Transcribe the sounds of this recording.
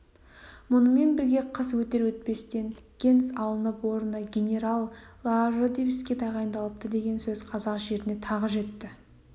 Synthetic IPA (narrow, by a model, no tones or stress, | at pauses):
mʊnəme̞nbɪɾɡʲe̞qʰəswɵt̪e̞ɾwɵt̪̚pe̞st̪e̞n | ɡʲe̞nsɑlˠənəpwo̞ɾənəɡʲenʲe̞ɾalˠlˠɑʒod̪iviskʲe̞d̪ɑʁɑjənd̪ɑlˠəp̚t̪əd̪e̞ɡʲe̞nsɵz̥qʰɑzɑqʒe̞ɾɪne̞t̪ʰɑʁəʒe̞t̪ːɪ